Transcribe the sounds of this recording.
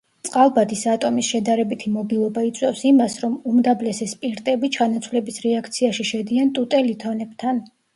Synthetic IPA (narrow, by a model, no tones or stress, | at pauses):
t̪sʼqʼalˠbad̪isat̪ʼɔmisʃɛd̪aɾɛbit̪ʰimɔbilˠɔbait̪sʼwɛfsimasɾɔmumd̪ablɛsɛspʼiɾt̪ʼɛbit͡ʃʰanat̪sʰwlɛbisɾɛakʰt̪sʰiaʃiʃɛd̪iant̪ʼut̪ʼɛlit̪ʰɔnɛbt̪ʰan